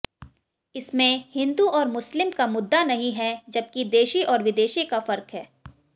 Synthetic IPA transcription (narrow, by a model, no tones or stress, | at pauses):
ɪsmẽhɪ̃nd̪uʔɔːɾmʊslɪmkamʊd̪ːanɐɦĩɦɛd͡ʒɐb̚kid̪eːʃiʔɔːɾʋɪd̪eːʃikafɐɾkɦɛː